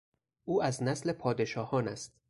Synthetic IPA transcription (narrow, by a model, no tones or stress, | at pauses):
ʔuːæznæsle̞pʰɒːd̪e̞ʃɒːhɒːnæst̪